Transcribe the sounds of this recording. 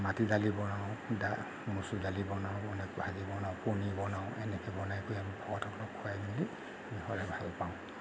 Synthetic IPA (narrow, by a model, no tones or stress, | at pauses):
matidalibɔnaʊ̃da | musudalibɔnaʊ̃ɔnɛkbʱazibɔnaʊ̃punibɔnaʊ̃ʔɛnɛkʰɛbɔnajkojamibʱɔɡɔtɔklɔkʰːuajmili | bihɔɹɛbʱalpaʊ̃